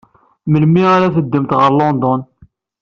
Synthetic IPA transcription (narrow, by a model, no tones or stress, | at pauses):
məlmiæɾæθəd̪ːəmt̪ʁəɾlond̪ɔn